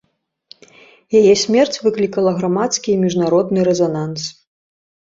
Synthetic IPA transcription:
jajɛsʲmʲɛrt͡sʲvɨklʲikɐlˠɐɣɾamat̪skʲimʲiʐnaɾɔd̪̚nɨɾɛzanans

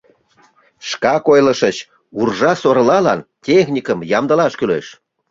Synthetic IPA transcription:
ʃkɑkojləʃət͡ɕ | urʒɑsoɾlɑlɑntʲexnʲikəmjɑmd̪əlɑʃkyleʃ

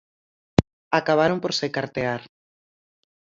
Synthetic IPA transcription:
akaβ̞aɾompoɾsekaɾt̪eaɾ

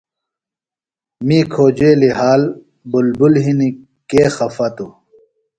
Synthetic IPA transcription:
miːkʰoːd͡ʑeːliɦaːl | bulbulɦini | keːxɐfɐt̪u

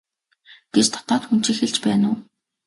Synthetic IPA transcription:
ɡ̥et͡ɕt̪ʰɔ̥t̪ɔːt̪xun̥t͡ɕiːxeɮt͡ɕpæːnʊː

